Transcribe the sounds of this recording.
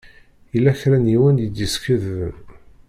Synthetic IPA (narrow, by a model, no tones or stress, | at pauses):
ilːæçɾæniwənjəd̪iskəðvən